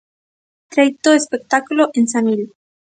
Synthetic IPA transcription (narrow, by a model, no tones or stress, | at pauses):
t̪ɾajt̪oespek̚t̪akuloʔensamil